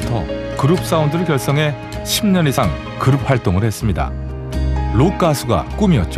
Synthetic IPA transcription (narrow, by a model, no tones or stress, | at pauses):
tʰʌ̰ | kɯɾɯp̚s͈aundɯɾɯɭkjʌɭs͈ʌŋɦe̞ | ɕʰimɲʌnisʰaŋ | kɯɾɯp̚ʰhaɭt͈oŋɯɭɾhe̞s͈ɯmɲida̰ | lokʰasʰɯɡa̰k͈umiʌt̚t͡ɕ͈o